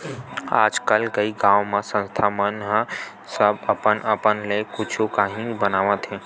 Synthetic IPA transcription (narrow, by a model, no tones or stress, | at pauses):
a̰ːd͡ʒkəlkəiɡãːwmãsə̃nst̪ʰamənɦ | səbəpənəpənleːkʊt͡ʃʰokaːɦĩbənaːʋãt̪ʰẽː